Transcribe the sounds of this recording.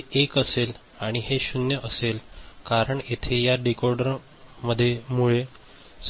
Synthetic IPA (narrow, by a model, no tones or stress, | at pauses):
ekəsel | aɽ̃iɦeɕunjəʔəselkaɾəɳet̪ʰejaɖikoɾɖəɾ | məd̪ʱːjemuɭe | s